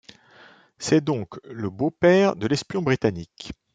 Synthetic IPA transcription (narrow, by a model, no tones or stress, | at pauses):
sɛd̪ɔ̃kləbopɛʁd̪əlɛspjɔ̃bʁit̪anik